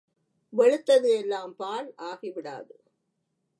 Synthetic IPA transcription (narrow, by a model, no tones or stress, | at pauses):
ʋɐɻɯt̪ːɐðɯɛlːaːmpaːɭʔaːɣiʋɪɽa̰ːðɯ